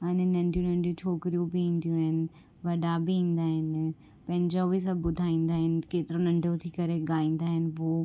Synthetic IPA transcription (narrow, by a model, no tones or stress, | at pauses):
ɐnnɐ̃ɳɖʱijũnɐ̃ɳɖʱijũt͡ɕʰoːkɾijũbɪĩːn̆d̪ijũaɦɪnɪ̆ | ʋɐɗabɪĩːn̆d̪aːɦɪnɪ | pɐ̃ɦɪ̃ɲd͡ʑoʋis̬ɐ̃bʱbʊd̪ʱaːĩːn̆d̪aːɦɪnɪ̆keːt̪ɪɾonɐ̃ɳɖʱjõt̪ʰikɐɾeɠaːĩːn̆d̪aːɦɪnɪ̆ʋoː